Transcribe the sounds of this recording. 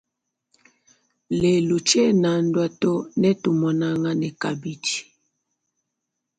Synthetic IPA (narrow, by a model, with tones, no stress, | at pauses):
le˨lu˨t͡ʃɛ˦na˨n̩˦dwa˦to˦nɛ˦tu˨mɔ˨na˦ŋa˦nɛ˨ka˨bi˦t͡ʃi̥˨